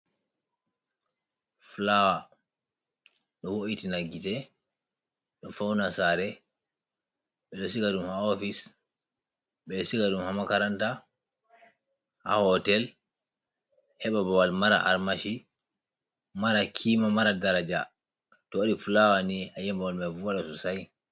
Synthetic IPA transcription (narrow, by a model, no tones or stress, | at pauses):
fulawa | ɗɔwoʔitinaɡːitɛ | ɗɔfawnasaɾɛ | ɓɛɗɔsikaɗumhaofis | ɓɛsikaɗumhamakaɾanta | ha̰hɔtɛl | hɛɓabawalmaɾa̰ʔa̰ɾmaʃi | maɾakʰimamaɾadaɾad͡ʒa | tɔoɗifulawaniajɛmbawalmɛvuwaɗasusaj